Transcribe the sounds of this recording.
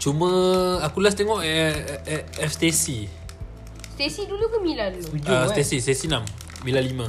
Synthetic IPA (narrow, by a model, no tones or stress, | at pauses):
t͡ʃuməakulast̪eŋɔʔ | ɛft̪esi | st̪esidulukamilanud͡ʒast̪esist̪esinamː | ilalimã